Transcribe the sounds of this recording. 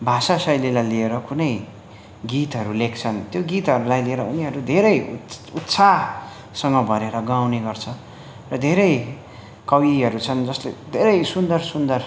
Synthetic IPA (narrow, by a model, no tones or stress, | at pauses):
bʱasasʌjlilajlieɾʌkunʌj | ɡit̪ɦʌɾulekʰt͡sʰʌnt̪joɡit̪ɦʌɾulajlieɾʌuniɦʌɾud̪ʱeɾʌjut̪sʰa | sʌŋɡʌbʱʌɾeɾʌɡawneɡʌrt͡sʰʌ | rʌd̪ʱeɾʌj | kʌwiɦʌɾut͡sʰʌnd͡zʌsled̪ʱeɾʌjsund̪ʌrsund̪ʌr